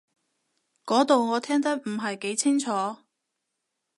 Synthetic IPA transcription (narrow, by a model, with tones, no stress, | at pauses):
kɔː˨˥t̪o˨wŋɔː˨˧t̪ʰɛː˥ŋt̪ɐ˥k̚m̩˨˩ɦɐ˨jke˨˥jt͡sʰɪ˥ŋt͡ʃʰɔː˨˥